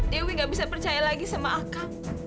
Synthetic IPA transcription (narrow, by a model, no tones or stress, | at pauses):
ewiŋɡaʔbisapərt͡ʃajalaɡisamaaka